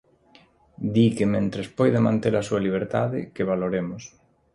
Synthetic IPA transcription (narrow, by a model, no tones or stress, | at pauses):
d̪ikemẽnt̪ɾespojðamãnt̪elasualiβ̞eɾt̪aðḛkeβ̞aloɾemos